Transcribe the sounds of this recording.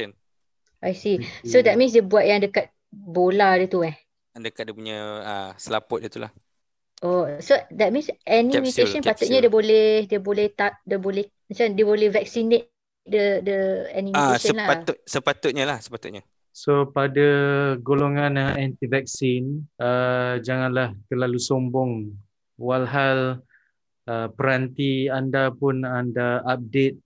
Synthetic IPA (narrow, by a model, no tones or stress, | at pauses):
n | ʔajsisodɛt̪̚mĩns̬debuaʔ̚jaŋdəkat̪̚ | boladət̪uɛ | dəkat̪̚diəpuɲaəsəlapʊt̚dit̪ula̰h | ʔosodɛt̚mĩnsʔɛnimut̪eʃə̃npat̪ʊt̪̚ɲadebolɛhdiəbolɛht̪at̚dəbolɛh | mə̃t͡ʃaandiəbolɛhvɛk̚sinet̪̚ | dədəɛnimaueʃsəənlaaʊsəpat̪ʊt̪̚ɲalahsə̥pat̪ʊt̪̚ɲa | sopadaɡoloŋãnəɛ̃nt̪ivɛk̚sinəd͡ʒaŋãnlaht̪ərlalusombɔŋ | walɦal | əpəɾant̪iandapʊnandaap̚det̪̚